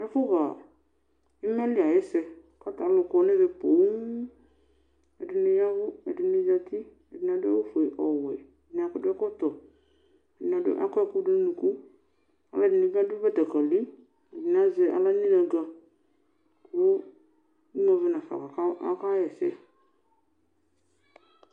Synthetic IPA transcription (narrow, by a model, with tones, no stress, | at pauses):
ɛ˦fʊ˦ɣa˨ | ɪ˦mɛ˦lɪ˦˨a˨jɛ˦sɛ˧ | ka˦ta˨˦lʊ˧kɔ˧˦nɪ˦ɾɪ˧po˨˦m | ɛ˨dɪ˨nɪ˧ja˦ɣʊ˦ɛ˨dɪ˨nɪ˦d͡ʒa˧t̪ɪ˦ | ɛ˨dɪ˨n˨a˨dʊ˦ɛ˦wʊ˦fʊ˨ɛ˨ʔɔ˨wɛ˨dɪ˨n˨˦a˨kʊ˦dɪ˦ɛ˦kɔ˦t̪ɔ˨ | ɛ˨dɪ˨n˨a˨dɪ̰˦ʔa̰˦kɔ˦ɛ˦˨kʊ˦dɪ˦n˦nũ˨ku˦ | a̰˨la˦˨dɪ˨nɪ̃˦ɡa˦dɪ˦ba˦ta˨ka˨li˦ | ɛ˨dɪ˨n˦a˦zɛ˦a̰˦la˦ɲi˦na˨ɡa˧ | kʊ˦ | i˦mɔ̃˨˧vɪ˦na˨fa̰˨ka˨ka˦a̰˦ka˦jɛ˨sɛ˦